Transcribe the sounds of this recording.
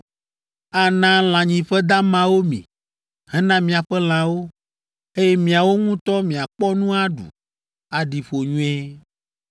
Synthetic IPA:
a˨nã˦l̃ã˨ɲĩ˨ɸɛ˦d̪a˦mã˦wo˦mḭ̃˨ | hɛ̃˦nã˦mĩ˨a˨ɸɛ˦l̃ã˨wo˦ | e˦jɛ˦mĩ˨a˨wo˦ŋũ˦t̪ɔ˦mĩ˨a˨k͡pɔ˦nũ˦a˦ɖṵ˨ | a˨ɖi˨ɸo˨ɲũ˦ɛ˦

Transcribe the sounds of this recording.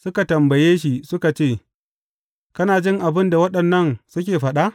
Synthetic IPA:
sʊ˦ka˨tɐ˨mbɐ˨jeː˦ʃi˨sʊ˦ka˨t͡ʃeː˦˨ | kɐ˦naː˨d͡ʒɪ˦ŋʔa˨bɪ˦nda˨wɐ˦ɗɐ˨nːɐ˦˨ŋsʊ˦kʲeː˨ɸɐ˨ɗa˦ʔ

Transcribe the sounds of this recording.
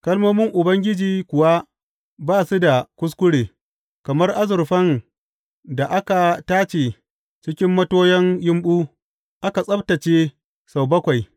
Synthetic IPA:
kɐ˦lmoː˦mɪ˦ŋʔʊ˨bɐ˦ŋɡʲɪ˦d͡ʒiː˨kʷʊ˨wa˦ | baː˦˨su˦da˨kʷʊ˦s̬kʷʊ˦ɽeː˨ | kɐ˨mɐ˦rʔa˦zʊ˨rɸɐ˦n | da˨ʔa˦ka˨taː˦t͡ʃeː˨ | t͡ʃɪ˦kʲɪ˦mːɐ˦toː˦jɛ˦ŋjɪ˦mɓuː˦ | ʔa˦ka˨sʼɐ˦btɐ˨t͡ʃeː˦ | sa˨wbɐ˦kʷa˨j

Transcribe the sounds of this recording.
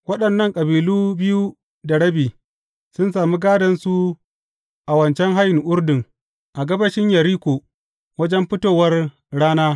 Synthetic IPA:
wɐ˦ɗɐ˨nːɐ˦˨ŋkʼɐ˨biː˨luː˦bɪ˦ju˦ | da˨ɽɐ˦biː˨ | sʊ˦nsaː˨mi˦ɡaː˦dɐ˨nsu˦ | ʔa˨wɐ˨nt͡ʃɛ˦ŋɦa˦jɪ˨ŋʔʊ˦rdɪ˨ŋ | ʔa˨ɡɐ˦bɐ˦ʃɪ˦ɲjɐ˨ɾiː˦kʷoː˨ | wɐ˦d͡ʒɛ˦mɸɪ˦toː˨wɐ˦r | ɽaː˦naː˦

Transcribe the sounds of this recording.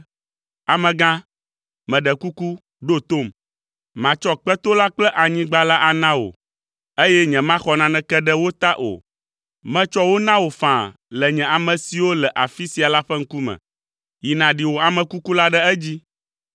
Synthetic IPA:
a˨mɛ̃˨ɡã˦ | mɛ̃˨ɖɛ˨ku˦ku˦ | ɖo˦t̪o˦˨m | mã˨t͡ʃɔ˦k͡pɛ˦t̪o˦la˦k͡plɛ˦ʔa˨ɲĩ˦ɡ͡ba˦la˦ʔa˨nã˦wo̰˨ | e˦jɛ˦ɲɛ̃˨mã˦xɔ˨nã˨nɛ̃˨kɛ˦ɖɛ˦wo˦t̪a˦ʔo̰˨ | mɛ̃˦t͡ʃɔ˦wo˦nã˦wo˨fã˨ | lɛ˨ɲɛ̃˨a˨mɛ̃˨si˨wo˦lɛ˨ʔa˨fi˦si˨a˨la˦ɸɛ˦ŋ̩˦ku˦mɛ̰̃˨ | ji˨nã˨ɖi˨wo˨a˨mɛ̃˨ku˦ku˦la˦ɖɛ˦ɛ˦d͡ʑi˦

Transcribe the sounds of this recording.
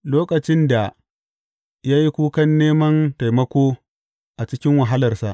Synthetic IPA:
loː˦kɐ˨t͡ʃɪ˦nda˨ | jaː˦ji˦kʷuː˦kɐ˦nːeː˦mɐ˦nta˨jmɐ˦kʷoː˦ | ʔa˨t͡ʃɪ˦kʲɪ˦ŋwɐ˨ɦa˦lɐ˨rsa̰˨ʔ

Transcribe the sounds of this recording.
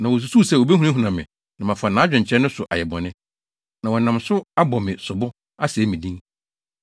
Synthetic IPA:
nã˨wɔ˨s̬u˨su˦˨sɛ˨wo˨be˦ɦu˨˦a˦ɦũ˨nã˨mɪ̰̃˨ | nã˨mã˨fʊ˨a˨nãː˨˦d͡ʑᶣɪ̃˨ɲ̩˨t͡ɕʰɾɛ˦nʊ̃˦sʊ˨ʔa˨jɛ˨bɔ̰̃˨nɪ̃˦ | nã˨wɔ˨nã˨msʊ˦a˦bɔ˨mɪ̃˨sʊ˨bʊ˦ | a˦sɛː˨˦mĩ˨dĩ˦ŋ

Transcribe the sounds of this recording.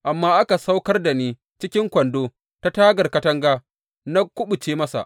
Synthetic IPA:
ʔa˨mːaː˦ʔa˦ka˨sa˦wkɐ˦rda˨niː˦ | t͡ʃɪ˦kʲɪ˦ŋkʷɐ˨ndoː˦ | ta˦taː˦ɡɐ˨rkɐ˦tɐ˦ŋɡaː˦ | na˦kʷʊ˦ɓʊ˨t͡ʃeː˦mɐ˦sa̰˨ʔ

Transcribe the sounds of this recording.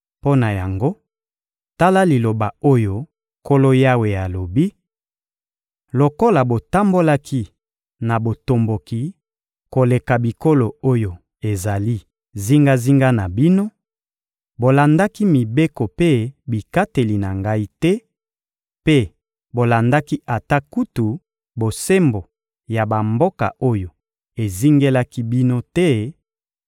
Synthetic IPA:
po˦na˨ja˨ŋɡo˦ | ta˦la˦li˨lo˨ba˨o˦jo˦ | ko˦lo˦ja˦we˨ja˨lo˨bi˦ | lo˨ko˦la˨bo˨ta˦mbo˦la˦ki˦ | na˨bo˨to˨mbo˨ki˨ | ko˨le˨ka˨bi˨ko˦lo˨o˦jo˨ | e˨za˨li˦ | zi˦ŋɡa˦zi˦ŋɡa˦na˨bi˦no˦ | bo˨la˨nda˦ki˦mi˨be˦ko˨pe˦bi˨ka˦te˨li˨na˨ŋɡa˦i˦tɛ˦ | pe˦ | bo˨la˨nda˦ki˦ʔa˨ta˦ku˦tu˨ | bo˨se˦mbo˨ | ja˨ba˨mbo˦ka̰˨o˦jo˨ | e˨zi˦ŋɡe˦la˦ki˦bi˦no˦tɛ˦

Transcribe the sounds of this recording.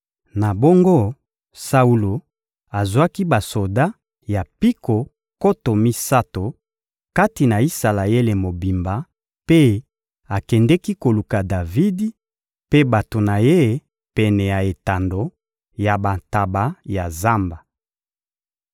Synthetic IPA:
na˨bo˦ŋɡo˦ | sa˦u˦lo˨ | a˨zwa˦ki˦ba˨so˨da˦ | ja˨pi˦ko˨ | ko˦to˨mi˦sa˦to˨ | ka˦ti˨na˨i˦sa˨la˨e˦le˨mo˨bi˨mba˨˦ | pe˦ | a˨kɛ˨ndɛ˦ki˦ko˨lu˨ka˨da˨vi˦di˦ | pe˦ba˨to˨na˨je˦ | pɛ˨nɛ˨ja˨e˨ta˨ndo˨ | ja˨ba˨nta˨ba˨˦ja˨za˦mba˨

